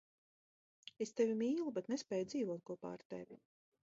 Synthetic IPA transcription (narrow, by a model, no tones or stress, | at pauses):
est̪evʲimiːlˠubɛt̪nɛspɛːjud̪ziːvuɔt̪̚kɔpa̰ɾt̪ḛvʲi